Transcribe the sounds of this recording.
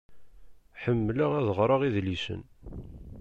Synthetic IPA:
ħəmːləʁæðəʁɾˤɑʁiðlisə̰n

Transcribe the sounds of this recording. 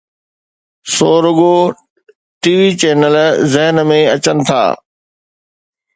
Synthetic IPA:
soːɾʊɡo | ʈiːʋit͡ɕeːnəlzɪɦənmẽɐt͡ɕənɪ̆t̪ʰa̰ː

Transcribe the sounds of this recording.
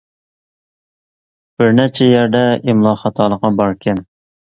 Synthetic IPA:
b̥ɪɾnɛt͡ʃʰɛjæɾd̪ɛimlˠɑːχɑt̪ʰɑːlˠəqːɑbɑɾkʲʰɛn

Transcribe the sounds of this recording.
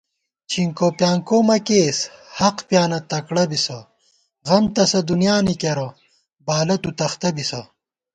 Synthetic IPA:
t͡ɕʰiŋkopjaːŋkoːmɐkeːshɐqpjaːnɐt̪ɐkɽɐbisɐ | ʁɐmt̪ɐsɐd̪unjaːnikeɾɐ | baːlɐt̪ut̪ɐxt̪ɐbisɐ

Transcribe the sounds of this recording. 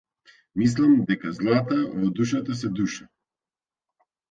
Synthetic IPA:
mis̬lˠamd̪ɛkazlˠat̪avɔd̪uʃat̪asɛd̪uʃa

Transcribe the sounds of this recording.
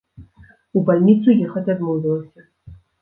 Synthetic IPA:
ubalʲnʲit̪sujɛxɐt͡sʲad̪mɔwvʲɛlˠɐsʲɐ

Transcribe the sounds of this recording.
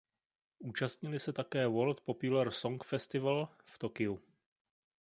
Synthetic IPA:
ʔuːt͡ʃast̪ɲɪlɪsɛt̪akɛːwolt̪̚populɛɾso̞ŋkfɛst̪ɪval | ft̪o̞kɪu

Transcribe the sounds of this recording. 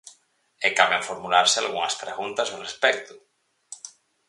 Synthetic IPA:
ekaβeɱfoɾmulaɾsea̰lɣuŋaspɾeɣunt̪asorespɛk̚t̪ʊ̥

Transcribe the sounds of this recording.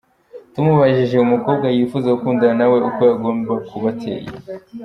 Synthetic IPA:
tumuβaʒiʒe̞umuko̞ːb̚ɡwajifuzeukuːndaanawe̞ʔuko̞jaɡo̞ːmbakuβatʰḛːjḛ

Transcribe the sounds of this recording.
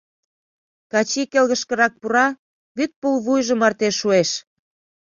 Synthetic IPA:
kɑt͡ɕikelɣə̆ʃkə̆ɾɑk̚puɾɑ | βyt̪̚pulβujʒə̆mɑrt̪eʃːueʃ

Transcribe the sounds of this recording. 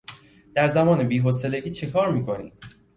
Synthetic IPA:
d̪̥æɾzæmɒːne̞biːɦos̬e̞leɟiːt͡ʃʰe̞kʰɒːɾmiːkʰo̞nḭːm

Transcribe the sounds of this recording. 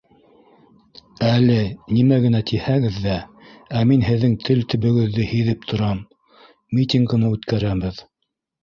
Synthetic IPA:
ælɘnimæɣɘ̆næt̪ʰihæɡɘðːæ | æminɦɘ̆ðːɘŋt̪ʰɘlt̪ɘ̆βɘ̆ɡɘ̆ðːɘhiðɘp̚t̪ʰŏɾɑmː | it̪ʲiŋɡɤ̆mɤʉt̪kæɾæβɘð

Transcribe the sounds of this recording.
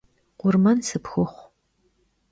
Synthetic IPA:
qʷʊrmɐnsɨpxɨχʷ

